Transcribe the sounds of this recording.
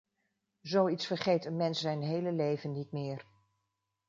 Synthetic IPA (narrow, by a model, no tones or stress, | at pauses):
zowitsfəɹχejtənmɛnsːɛjnɦejləlejvənːitmɪːɹ